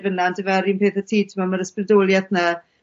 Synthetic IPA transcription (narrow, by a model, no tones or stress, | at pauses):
vənandəvɛɾimpʰeːθətʰiːtʰmamaɾəsprɪdoːlˠjaθna